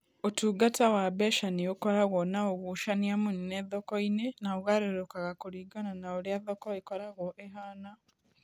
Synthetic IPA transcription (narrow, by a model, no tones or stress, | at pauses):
otuːɡatawaβɛʃaniokɔɾaɣɔnaoɣuʃaniamunineðɔkɔinenaoɣaɾeɾokaɣakuɾiɡananaoɾjaðɔkɔekɔɾaɣɔʔeɦana